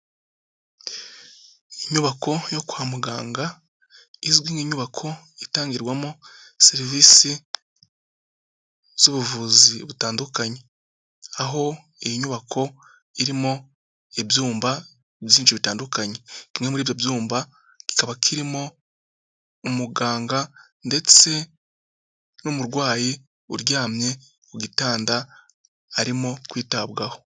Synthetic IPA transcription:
iɲuβakʰo̞jo̞ku̥hamuɡa̰ːŋɡa | izɡwiːŋeɲuβakʰo̞ | itaːŋɡiɾɡwamo | se̞ɾivisi | z̥uβuvuziβutaːndukaɲe̞ | aɦo̞ | ejiɲuβakʰo̞ | iɾimo̞ | ebjuːmba | βjiːnʃiβitaːndukaɲe̞kimŋe̞muɾiːβjo̞bjuːmba | ɡ̥i̥kaβakʰiɾimo̞ | umuɡaːŋɡa | nde̞t͡se̞ | nomuɾɡwaːji | ṵɾɟaːmɲe̞ | uɡitaːnda | aɾimo̞kwiːtabɡaho̞

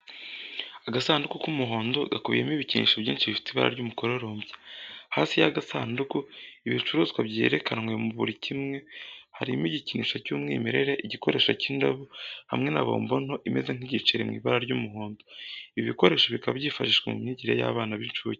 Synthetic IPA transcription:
aɡasaːndukukumuɦo̞ːndo̞ɡakuβḭjemiβicinḭːʃaβbjḭːnʃiβifi̥tiβa̰ɾa̰ɾɟumuko̞ɾe̞ɾoːmbje̥haːsijaɡasaːndukuiβit͡ʃuɾuːzkwabjeɾe̞kʰanŋwemuβuɾicʰimŋe̞haɾimiɟiciniːʃacuːmŋḭːmiɾe̞ɾeʔiɟiko̞ɾe̞ːʃaciːndaβuha̰mŋenaβo̞̰ːmbo̞no̞ʔimeze̞n̥iɟit͡ʃiɾemŋḭːβaɾaɾɟumuɦo̞ːndoiβiko̞ɾe̞ːʃoβikaβabɟiːfaʃiʃwemṵmɲiɟiɾeja̰ːβaːnaβiːnt͡ʃuji

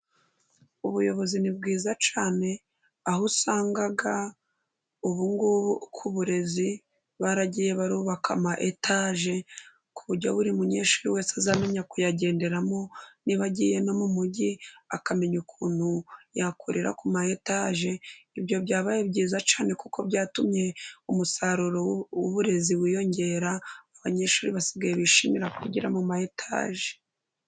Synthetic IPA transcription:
uβujo̞βo̞zinibɡiːzat͡ʃaːne̞ | aɦusaːŋɡaɡa | uβuŋɡukʰuβuɾe̞zi | βaɾaɟiːje̞βaɾuːβakamaʔetʰaʒe̞ | kuβuɾɟoβuɾimuɲeːʃiɾiwe̞ːsazame̞ɲakujaɟe̞ːnde̞ɾamo̞niβaɟiːje̞no̞mumuɟiakame̞ɲukʰuːn̥hujakuɾʔiɾa̰kumaetaʒe̞ibjo̞βjaːβajebɟiːzat͡ʃaːne̞kukʰo̞bjaːtumɲe̞umusaɾuɾouβuɾe̞ziβijo̞ɲɟe̞ɾaaβaɲe̞ːʃuːɾiβasiɡajeβiʃimiɾakwḭɟiɾamumaetʰa̰ʒe̥

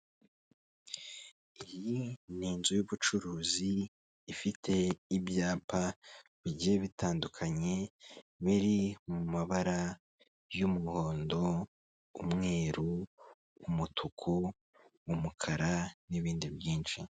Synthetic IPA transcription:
iɾiniːnzujuβut͡ʃuɾuːziː | fitʰe̞ibjaːpa | βiɟije̞βitaːndukʰaɲe̞βiɾimumaβaɾa | jumuho̞ːndo̞ː | mŋe̞ːɾuː | mutʰukʰo | umukʰaɾaniβiːndibjiːnʃi

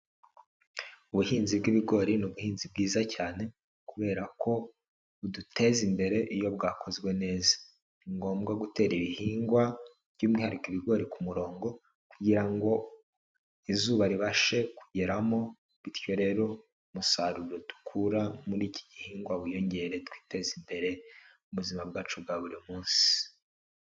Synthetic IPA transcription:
uβuhiːnzibɡiβiɡo̞ɾinuβuhiːnzib̚ɡiːzacaːne̞ | kuβe̞ːɾakʰo̞ | udute̞zimbe̞ɾe̞ʔijo̞bɡaːkʰo̞zɡwe̞ne̞ːzḁ | iŋɡo̞ːmɡaɡute̞ːɾiβihiːŋɡwa | vɟuːmŋiːhaɾikiβiɡo̞ɾikumuɾo̞ːŋɡo̞ | kuɟiɾaŋɡo̞ | izuːβaɾiβaʃe̞kuɟe̞ɾamo | βiɾço̞ɾe̞ːɾo̞ | musaɾuɾodu̥kʰuɾamuɾiːci̥ɟihiːŋɡwaβujo̞ɲɟe̞ɾe̞twi̥ːte̞zimbe̞ɾe̞ | uβuzimabɡaːt͡ʃubɡaβuɾimuːnsi̥

